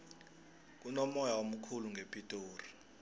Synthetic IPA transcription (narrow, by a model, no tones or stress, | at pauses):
k̬unɔmɔjaom̩kʰuluŋɡʱepʼitʼoːri